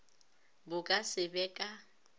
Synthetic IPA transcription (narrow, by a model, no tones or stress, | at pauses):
bʊkʼasɪbɛkʼa